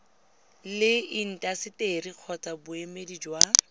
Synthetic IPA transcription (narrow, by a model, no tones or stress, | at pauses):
lɪin̩tʼasɪteriq͡χʰɔt͡sʼabʊemedid͡ʒwa